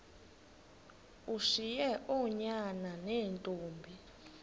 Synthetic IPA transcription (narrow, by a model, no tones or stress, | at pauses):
uʂijɛʔɔɲananeːntʼuːmbʱi